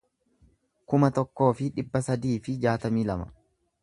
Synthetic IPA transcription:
kʊmɐt̪ɔkːo̞ːfɪᶑɪbːɐsɐd̪iːfɪd͡ʒaːt̪ɐmiːlɐmɐ̥̰

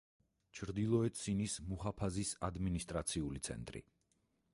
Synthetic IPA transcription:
t͡ʃʰɾd̪ilˠɔɛt̪sinismuχapʰazisad̪minist̪ʼɾat̪sʰiulit̪sʰɛ̰nt̪ʼɾḭ

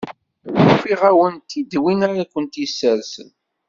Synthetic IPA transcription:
ufiʁæwənt̪id̪winaɾakʷənt̪isːəɾsə̰n

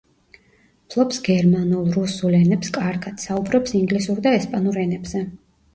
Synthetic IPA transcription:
pʰlˠɔpsɡɛɾmanulˠɾusulɛnɛpskʼaɾkʰat̪saubɾɔpsiŋɡlisuɾd̪aɛspʼanuɾɛnɛbz̥ɛ

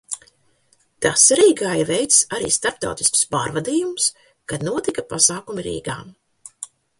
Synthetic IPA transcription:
t̪asɾiːɡaːjivɛjt̪saɾḭːst̪aɾp̚t̪a̰wt̪i̥sku̥spaːɾvad̪iːjums | kad̪nuɔt̪ikapasaːkumiɾḭːɡa̰ːm

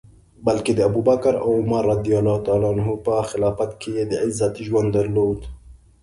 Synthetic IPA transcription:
balked̪əabubakɾa̰wmarːɑd̪ijalɑhʊt̪ɑːlɑanɦupəxɪlɑːfat̪kʰejed̪əʕɪzːat̪iʒwand̪ːaɾloːd̪

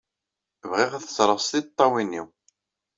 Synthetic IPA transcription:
vʁiʁæθə̥sɾˤəʁst̪it̪ˤːɑwinːiw

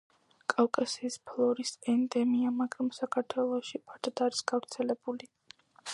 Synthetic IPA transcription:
kʼawkʼasiːspʰlˠɔɾisɛnd̪ɛmiamaɡɾamsakʰaɾt̪ʰwɛlˠɔʃipʰaɾd̪ʰad̪aɾisɡ̥avɾt̪sʰɛlɛbuli

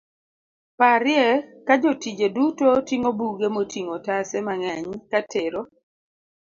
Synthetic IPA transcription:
paɾɪjɛkad͡ʒotid͡ʒedutotiŋobuɡemotʰiŋotasɛmaŋɛɲkatʰeɾo

